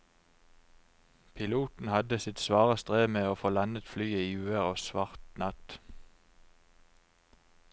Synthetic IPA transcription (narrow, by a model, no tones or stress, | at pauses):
pʰɪluːt̪n̩hɑd̪əsɪt̪sʋɑːʁəst̪ʁeːmeːoːfoːlɑnət̪flyːəiːʉːəʁoːsʋɑʁt̪nɑt̪